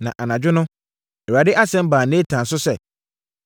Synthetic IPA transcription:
nã̰˨ʔa˨nã˨d͡ʑᶣɪ˦nʊ̃˦ | ɛ˨a˨dɪ˦ʔa˦sɛ̃˦m˦baː˨nẽ˦tʰã˨n˨sʊ˦sɛ˨

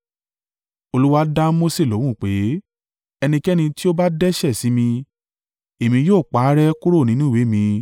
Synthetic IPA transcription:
o˧lu˦wa˦da˦mo˦se˦˨lo˨˦w̃ũ˦˨k͡pe˨˦ | ɛ˧nĩ˧kɛ˦nĩ˧ti˦o˦ba˦dɛ˦ʃɛ˦˨si˨˦mĩ˧ | e˨mĩ˧joː˦˨k͡pa˨˦ɾɛ˦ku˦ɾo˦˨nĩ˨˦nũ˦we˨˦mĩ˧

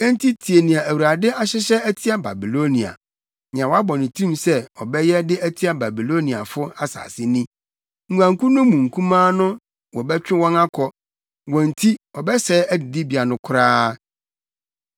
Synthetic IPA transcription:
ɛ̃˦n˦tʰi˦tʰi˨e˨nĩ˨a˨æ˨wu˨ɾa˨dɪ˦a˦ɕɪ˦ɕɛ˦æ˦tʰi˦a˦ba˨bi˨lo˦nĩ˨a̰˨ | nɪ̃˨ã˨wa˦bɔ̃˨nɪ̃˨tʰũ˦˨msɛ˦ɔ˨bɛ˦jɛ˦dɪ˦æ˦tʰi˦a˦ba˨bi˨lo˦nĩ˨a̰˨fʊ˦a˦sa̰ː˨sɪ˦nĩ˦ | ŋ̩˨ɡã˨ŋ̩˨ku˦nʊ̃˦mũ˨ŋ̩˨kʰũ˦mãː˦nʊ̃˦ | wɔ˨bɛ˦t͡ɕᶣɪ˦wɔ̃˦na˦kʰɔ˦ | wɔ̃˨n̩˨tʰi˦ɔ˨bɛ˦sɛ˦æ˦dɪ˨di˦bi˨a˨nʊ̃˦kʰʊ˦ɾaː˦

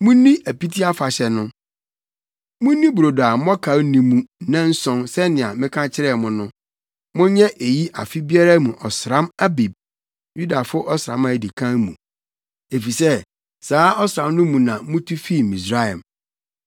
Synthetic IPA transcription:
mũ˦nĩ˦ʔæ˨pi˦tʰi˦a˦fa˨ɕɛ˨nʊ̃˦ | mũ˦nĩ˦bu˨ɾo˨da˨˦m˦ɔ˦kʰa˨˦nĩ˨mũ˦nã˦n̩˦sɔ̃˦nsɛ˦nɪ̃˨ã˨mɪ̃˦kʰã˦t͡ɕʰɪ˦ɾɛ˦˨mʊ̃˦nʊ̃˦ | mʊ̃˦ɲɛ̃˦ʔe˨ji˦ʔa̰˨fi˦bi˦a˦ɾa˦mũ˨ʔɔ˨sɾã˦ma˦bi˨b̚ | ju˦da˨fʊ˦ʔɔ˦sɾã̰˨˦mã˨di˨kʰã˦ŋ˦mṵ̃˨ | e˨fi˨sɛ˦ | saː˨˦ʔɔ˦sɾã˨mnʊ̃˦mũ˨nã˨mũ˦tʰu˦fi˦˨mĩ˨s̬ɾa˦˨ɛ˨m

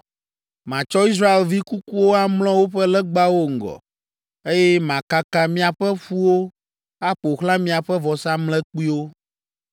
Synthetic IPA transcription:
mã˨t͡ʃɔ˦i˦s̬ɾa˦e˨lvi˦ku˦ku˦wo˦a˦mlɔ̃˦wo˦ɸɛ˦lɛ˦ɡ͡ba˦wo˦ŋ̩˨ɡɔ̰˨ | e˦jɛ˦mã˨ka˦ka˦mĩ˦a˨ɸɛ˦ɸu˦wo˦ | a˦ɸo˨xlã˦mĩ˦a˨ɸɛ˦vɔ˨sã˦mlɛ˦k͡pi˦wo˦

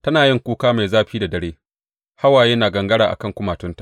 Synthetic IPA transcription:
tɐ˦naː˨jɪ˦ŋkʷuː˦kaː˦ma˨jzaː˦ɸiː˦da˨dɐ˦ɽeː˦ | ha˦waː˨jɐ˦naː˨ɡɐ˨ŋɡɐ˦ɽaː˨ʔa˨kɐ˦˨ŋkʷʊ˦maː˨tʊ˦nta˨ʔ

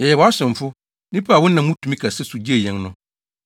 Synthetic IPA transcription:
jɛ˨jɛ˨wɔ˨a˦sɪ̃˨ɱ˨fʊ˦ | nĩ˦pʰa˦a˨wʊ̃˦nnːã˨˦mũ˦tʰu˨mĩ˦kʰa˨sɛ˦su˨d͡ʑi˦e˨jɛ̃˨ŋnʊ̃˦

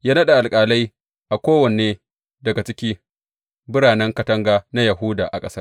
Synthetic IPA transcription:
jaː˦nɐ˦ɗa˨ʔa˨lkʼaː˨lɐ˦j | ʔa˨kʷoː˦wɐ˨neː˦ | dɐ˨ɡa˨t͡ʃɪ˦kʲiː˦ | bʊ˦ɾaː˨nɛ˦ŋkɐ˨tɐ˦ŋɡaː˨na˦jɐ˨ɦʊ˦da̰ː˨ʔa˨kʼɐ˦sɐ˦r

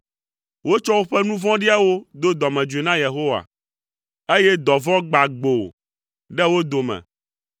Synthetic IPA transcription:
wo˦t͡ʃɔ˦wo˦ɸɛ˦nũ˦vɔ̃˦ɖi˦a˦wo˦d̪o˦d̪ɔ˨mɛ̃˨d͡ʒu˨e˨nã˦je˨ɦo˦wa̰˨ | e˦jɛ˦d̪ɔ˨vɔ̃˦ɡ͡ba˨ɡ͡bo˨ | ɖɛ˦wo˦d̪o˨mɛ̰̃˨

